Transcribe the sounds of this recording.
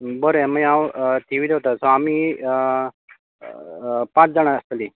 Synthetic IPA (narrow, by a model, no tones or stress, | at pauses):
bəɾeməjawt̪iʋiːd̪et̪asɔamiː | pãt͡sd͡zəɽ̃aəst̪li